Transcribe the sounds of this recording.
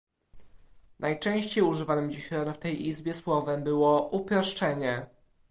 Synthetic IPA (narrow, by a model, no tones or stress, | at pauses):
nʔajt͡ʂɛ̃w̃ɕt͡ɕejuʐɘvanɘmd͡ʑiɕnft̪ɛjʔizbʲjɛswɔvɛmbɘwɔʔupʲjɔʂt͡ʂɛɲɛ